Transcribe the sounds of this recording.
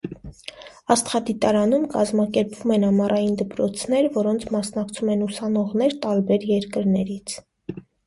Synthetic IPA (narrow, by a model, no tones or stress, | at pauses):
ɑst̪χɑd̪it̪ɑɾɑnumkɑzmɑkɛɾpv̥umɛnɑmɑrʔɑjind̪əpɾɔt͡sʰnɛɾvɔɾɔnt͡sʰmɑsnɑkt͡sʰumɛnusɑnɔʁnɛɾt̪ɑɾbɛɾjɛɾkəɾnɛɾit͡sʰ